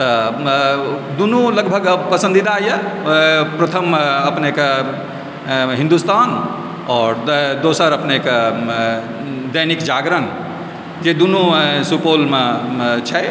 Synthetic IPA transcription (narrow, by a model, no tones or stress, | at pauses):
t̪ə | d̪unuləɡbʱəɡpəsə̃nd̪id̪ajə | pɾət̪ʰəməpneke | ɦĩnd̪ust̪an | ɔːɾd̪osəɾəpneke | d̪əjnikd͡ʒaɡɾən | d͡ʒed̪unusupolmet͡ʃʰɛ